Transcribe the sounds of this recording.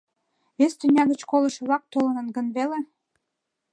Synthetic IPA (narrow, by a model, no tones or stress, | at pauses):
βest̪ynʲɑɣət͡ɕkolə̆ʃə̆βlɑk̚t̪olənə̆nɡənβele